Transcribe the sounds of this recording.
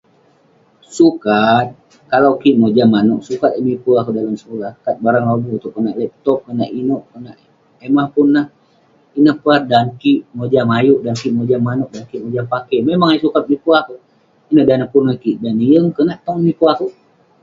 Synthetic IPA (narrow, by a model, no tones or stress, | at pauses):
sukat̪̚ | kalawkiʔmod͡ʒamanɔʔsukat̪imipuakudalamsəkulahkat̪̚baɾaŋlabut̪uʔkənaʔlɛp̚t̪ɔp̚kənaʔinɔʔkənaʔ | emahpunːah | inəhpuat̪̚dankiʔmod͡ʒamajuʔdankiʔmod͡ʒamanɔʔ̚dankiʔmod͡ʒapakɛmemaŋaisukat̪̚mipuaku | inəhdanəhpunwakiʔdaniəŋkənaʔt̪ɔŋmipuaku